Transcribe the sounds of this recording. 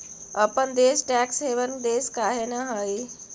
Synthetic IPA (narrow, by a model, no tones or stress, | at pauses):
ɐpənd̪eːsʈɛːksɦeːʋənd̪eːskaːɦenəɦaːi